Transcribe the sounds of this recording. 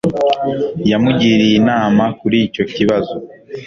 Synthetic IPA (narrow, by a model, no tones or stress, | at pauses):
jamuɟiːɾijinaːmakuɾico̞ciβazo